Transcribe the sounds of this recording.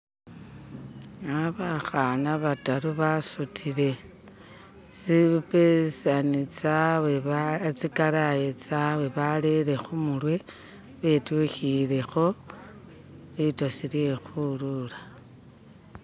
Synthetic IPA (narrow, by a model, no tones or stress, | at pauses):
aβaxanaβataɾuβasutʰiɾe̞ | t͡sipesanit͡sawet͡sikaɾajet͡sawe̞βale̞ɾe̞xumulwe̞ | βetuxile̞xo̞ | βitosilijexululḁ